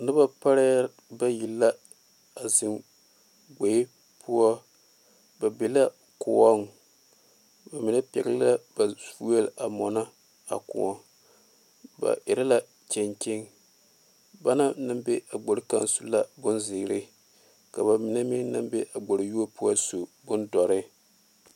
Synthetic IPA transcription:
nɨ˦ba˦pa˦ɾa˦ | ba˦ji˨lːa˦ | a˨zɨ˨m | ɡ͡be˨ɪ˦ | pʰu˦ɔ˦ | ba˨be˨la˦ | kʊ˨ɔ˦ŋ˨ | ba˨mɪ˨na˦pɛ̰˨ɡla˦ba˨fu˦e˦la˨mɔ˨na˦ | a̰˨kʊ̰˨ɔ˨ | ba̰˨ʔɪ˨ɾa˦la˦ | t͡ʃɛ˨nt͡ʃe˦ŋ | ba˦na˦nɨ˦mbe˦a˨ɡ͡bo˨ɾɨ˦ka̰˦nsu˦la˦bʊ˦nzɪ˨˦ɾɪ˦ | ka˨ba˨mɪ˨na˦mi˦nɨ˦mbe˦ʔa˨ɡ͡bo˨ɾɪ˨ju˦o˦pu˦ɔ˦so˨bʊ˦ndɔ˨ɾɪ˦

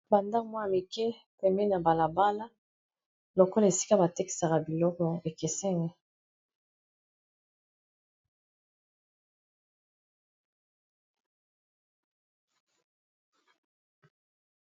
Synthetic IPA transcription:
ba˨nda˦kmwa˦a˨mi˨kɛ˦ | pɛ˨mɛ˦na˨ba˨la˨ba˦la˦ | lo˨kɔ˦la˨e˨si̥˦ka˦ba˨te˦ki̥˨sa˨ka˨bi˨lɔ˦kɔ˨e˨ke˨sɛ˦ŋɡɛ˦

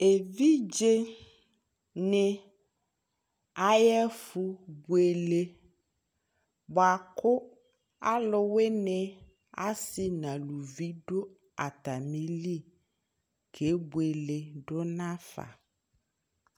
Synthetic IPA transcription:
e˨vi˦d͡ʒe˦ | ne˨ | a˦jɛ˦fu˦bu˨e˨le˦ | bɔ˨a˨kʊ˦ | a˦lʊ˦we˦ne˨ | a̰˦sɪ˦nã˨lu˨vi˦ɖʊ˦ | a˨t̪a˨mĩ˦li˦˨ | kʰe˨˦bu˨e˨le˨ɖʊ˦nã˦fa̰˨

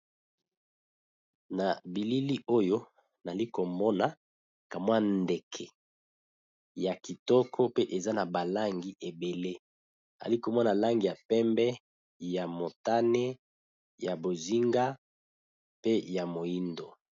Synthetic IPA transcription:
na˨bi˨li˦li˦ʔo˦jo˦ | na˨li˦ko˨mɔ˦na˨ | ka˨mwa˦nde˨kʰɛ˨ | ja˨ki˨tɔ˦kʰɔ˦pe˦ʔe˨za˦na˨ba˨la˦ŋɡi˨ʔe˨be˨le˦ | a̰˨li˦ko˨mɔ˦na˨la˦ŋɡi˨ja˨pɛ˦mbɛ˦ | ja˨mo˨ta˦ne˦ | ja˨bo˨zi˦ŋɡa˦ | pe˦ja˨mo˨i˦ndo˨

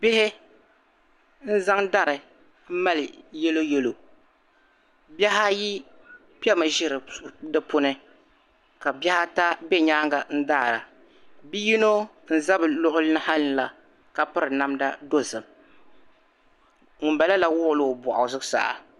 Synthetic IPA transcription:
bɪ˦hɪ˦ | n̩˦za˦ŋda˦ɾɨ˨ | m̩˦ma˦lɨ˨jɛ˦lo˦jɛ˦lo˨ | bɛ˦ɦa˦ji˦ | pi˦ɛ˦mɨ˨ʒɪ˦ɾɨ˨dɨ˦pʊ˦nɨ˦ | ka˨bɛ˦ha˦ta˦bɛ˦ɲaː˦ŋɡa˨n̩˦daː˦˨ɾa˨ | bi˦ji˦no˦ | n̩˦za˦bɨ˨lʊ˦hʊ˦lɨ˦nɨ˦ha˦lla˨ | ka˨pɨ˦ɾɨ˨na˦mda˦do˦zɨ˨m | ŋʊ˨mba˨la˦la˦wʊ˦ʔʊ˨lo˦˨bɔ˨ʔʊ˨zɨ˦sa̰˨ʔa̰˨

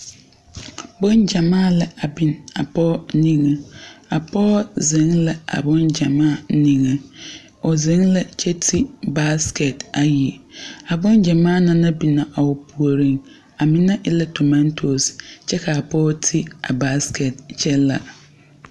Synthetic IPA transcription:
bɔ̃˦nd͡ʑã˨mãː˦˨lɛ˨a˨bĩ˨na˨pʰɔː˦nĩ˦ŋã˦a˨pʰɔː˦zɪ̃˨˦ŋlɛ˨a̰˨bɔ̃˦nd͡ʑã˨mãː˦˨˦nĩ˨ŋã˨ | ɔ˨zɪ̃˨˦lɛ˨t͡ɕʰɛ˦tʰi˦ba˦skʰe˨ta˨ji˨a˨bʊ̃˦nd͡ʑã˨mãː˦˨nã˦nã˦bi˨nã˨ʔa˨wɔ˨pʰu˨o˨ɾĩ˦ŋ | a˨mɪ̃˦nã˦ʔɛ˦lɛ˦tʰo˨mã˦ntʰo˨st͡ɕʰɛ˦kʰa˨a˨pʰɔ˦tʰi˦a̰˨ba˦skʰɛ˨tt͡ɕʰɛ˦la˨

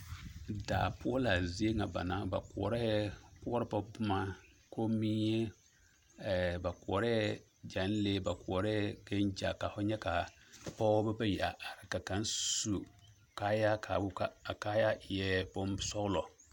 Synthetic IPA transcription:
da̰ː˨pʊ˦ɔ˦la˨zi˦e˦ŋa˨ba̰˨na˦ba̰˨kʷɔ̰˨ɾɛ˦ku˦ɔ˦ɾɨ˦pa˦bʊ˦ma˦ | ko˦mi˦e˦˨ | ba˨kɔ˨ɾɛ˦ | d͡ʒa˨˦n˦le˦ba˨kɔ˨ɾɛ˦ke˦nd͡ʒa̰˨ka˨fʊ˦ɲɛ˦ka˨pɔ˦bɛ˦ba˦ja˨ɾka˨ka˨n˦su˨ | ka˦ja˦kʰa̰˨bka˦a˨ka˦ja˦ɪ˨jɛ˦bo˦m˦sɔ˦ɣlɔ˨

